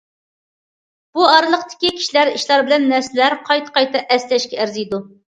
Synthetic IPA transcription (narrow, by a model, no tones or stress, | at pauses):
b̥uɑɾɨlˠəqt̪ɪ̥kʲikʲʰi̥ʃlæɾiʃlˠɑɾbɪlɛnːæɾsɪlæɾqʰɑjt̪ʰqɑjt̪ɑʔɛslɛʃkʲɛæɾzijd̪u